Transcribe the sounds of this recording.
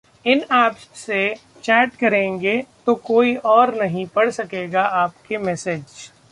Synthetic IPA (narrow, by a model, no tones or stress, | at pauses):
ɪnɛːpsse | t͡ʃɛːʈkɐɾẽːŋɡet̪okoːiʔɔːɾnɐɦĩpɐɽsɐkeːɡaʔaːpkemɛːsed͡ʒ